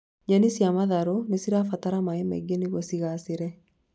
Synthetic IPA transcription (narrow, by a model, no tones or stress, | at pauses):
ɲanisjamaðaɾonesiɾafataɾamaemɛ̰ɡeniɣosiɣaseɾɛ